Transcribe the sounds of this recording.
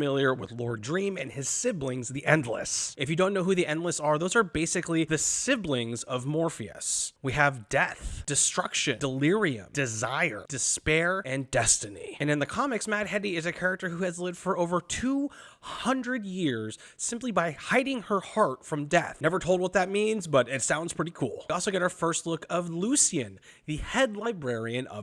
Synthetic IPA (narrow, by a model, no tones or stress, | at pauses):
mɪlˠjə˞wɪ̰ðlɔɹdɹĩmɨ̰̃nɪz̥sɪblɪ̃ŋzðiʔɛ̃ndˡlə̰sɨfjɨdõʊ̃nːoʊɦuðiʔɛ̃ndˡləsə˞ðoʊzə˞beɪsɨkliðɨsɪblɪ̃ŋzʌvmɔɹfiɨ̰swiɨvdɛθd̥ɨstɹ̥ʌkʃɨ̃nd̥əlɪɹiɨ̰̃md̥ɨzaɪə̰˞d̥ɨspɛɹɨ̃ndɛstɨnḭɨ̃nɨ̃nðɨkʰɑmɨksmæd̚hɛɾiɨzɨkʰɛɹɨk̚tə˞huɨzlɪvd̥fə˞oʊvə˞tʰu | hʌ̃ndɹɨdjɪɹz̥ | sɪ̃mplibaɪhaɪɾɪ̃ŋə˞hɑɹtfɹʌ̃mdɛθnɛvə˞tʰoʊlˠd̚wʌt̪̚ðɨt̚mĩnzbʌɾɪtsãʊ̃ndz̥pʰɹ̥ɪɾikʰṵlˠɔlˠsoʊɡɛɾaə˞fɜ˞stˡlʊkʰʌvlusiɨ̃n | ðɨhɛdˡlaɪbɹɛɹiɨ̃nʌ̰